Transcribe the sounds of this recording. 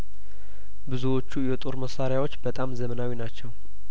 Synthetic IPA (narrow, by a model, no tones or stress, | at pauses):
bɨzuwo̞t͡ʃːujɛt̪ʼoɾməsaɾjawo̞t͡ʃːbət̪ʼamzəmənawinat͡ʃːɛw